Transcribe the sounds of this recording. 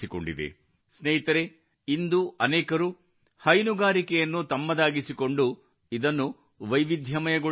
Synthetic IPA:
iko̰ɳɖid̪ḛ | sneɦit̪ɐɾe | ind̪uʔɐnɛːkɐɾu | hɐjnuɡaːɾikɛjɐnːut̪ɐmːɐd̪aːɡisiko̞ɳɖu | id̪ɐnːu | ʋɐjʋid̪ʱjɐmɐjɐɡu

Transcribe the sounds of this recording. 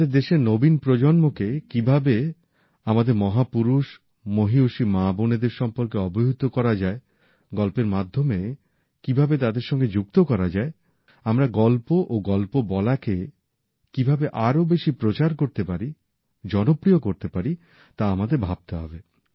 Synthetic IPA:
eɾd̪eʃenobinpɾod͡ʑonmokekibʱabe | amad̪eɾmɔɦapuɾuʃ | moɦiuʃimaboned̪eɾʃɔmpoɾkeɔboɦut̪okɔɾad͡ʑae | ɡɔlpeɾmad̪ʱːome | kibʱabet̪ad̪eɾʃɔŋɡed͡ʑuk̚t̪okɔɾad͡ʑae | amɾaɡɔlpoʔoɡɔlpobɔlake | kibʱabeʔaɾobeʃipɾot͡ɕaɾkoɾt̪epaɾi | d͡ʑɔnopɾiokoɾt̪epaɾi | t̪aamad̪eɾbʱab̚t̪eɦɔ̰be

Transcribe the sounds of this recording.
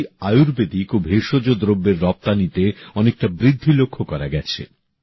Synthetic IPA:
ajuɾbed̪ikobʱeʃod͡ʑod̪ɾobːeɾːɔp̚t̪anit̪eɔnek̚ʈabɾid̪ʱːilokʰːokɔɾaɡɛt͡ɕʰḛ

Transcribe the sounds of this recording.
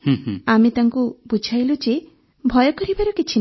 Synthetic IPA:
hũɦamit̪aŋkubud͡ʒʱajlud͡ʒe | bʱɔjɔkɔɾibaɾɔkit͡ʃʰin

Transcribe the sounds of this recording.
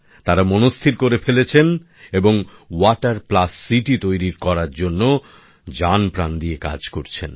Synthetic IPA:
t̪aɾamonost̪ʰiɾkoɾefelet͡ɕʰen | eboŋwaʈaɾplasːiʈit̪ojɾiɾkɔɾaɾd͡ʑonːo | d͡ʑanpɾand̪ieka̰d͡ʑkoɾt͡ɕʰḛn

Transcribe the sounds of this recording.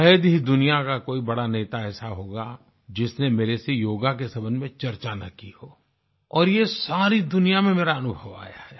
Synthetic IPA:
ɦd̪ɦid̪ʊnijakakoːibɐɽaneːt̪aɛːsaɦoːɡa | d͡ʒɪsnemeːɾesejoːɡak̬esɐbənmẽt͡ʃɐɾt͡ʃanɐ̰kihoː | ɔːɾjesaːɾid̪ʊnijamẽmeːɾaɐnʊbʱəʋa̰ːja̰ɦɛː

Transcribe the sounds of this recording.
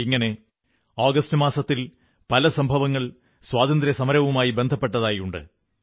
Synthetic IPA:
iŋːɐne̞ | aːɡɐstɨmaːsɐt̪ːil | pɐlɐsɐmbʱɐʋɐŋːɐɭ | swaːd̪ɐnd̪ɾjɐsɐmɐɾɐʋumaːjibe̞nd̪ʱɐpːe̞ʈːɐðaːjuɳɖɨ̰

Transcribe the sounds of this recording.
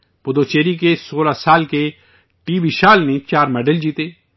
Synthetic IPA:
pʊd̪oːt͡ʃeːɾikesoːlasaːlke | ʈiːbiʃaːlnẽt͡ʃaːɾmɛːɖəld͡ʒiːt̪eː

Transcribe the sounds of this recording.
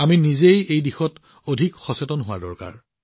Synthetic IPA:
aminizejejdixɔt | odʱikxɔsetɔnɦʊa̰ɹdɔ̰ɹka̰ɹ

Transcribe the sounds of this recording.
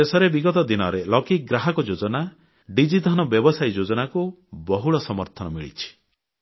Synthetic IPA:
esɔɾebiɡɔt̪ɔd̪inɔɾelɔkik̚ɡɾaɦɔkɔd͡ʒod͡ʒɔna | ɖid͡ʒid̪ʱanɔbjɔbɔsajd͡ʒod͡ʒɔnaku | bɔɦuɭɔsɔmɔɾt̪ʰɔnɔmiɭḭt͡ʃʰi̥

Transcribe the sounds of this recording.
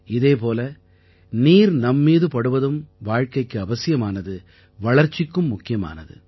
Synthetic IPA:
ɪðeːpoːlɐ | niːɾnɐmːiːðɯpɐɽɯʋɐðɯmʋaːɻkɐɪkːɯɐʋɐsɪjɐmaːnɐðɯ | ʋɐɭɐɾt͡ʃːɪkːɯmːʊkːɪjɐma̰ːnɐðɯ̰

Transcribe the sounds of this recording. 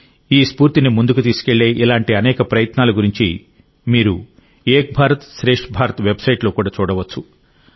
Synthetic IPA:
iːspuːɾt̪inimund̪ukut̪̬iːsu̥ke̞ɭːeːʔilaːɳʈiɐnɛːkɐpɾɐjɐt̪naːlɐɡuɾiɲt͡ʃḭ | miːɾu | eːk̚bʱaːɾɐt̪ʃɾe̞ːʂʈbʱaːɾɐt̪ʋe̞bsɐjʈlo̞ːkuːɽaːt͡ʃuːɽɐʋɐt͡ʃːu

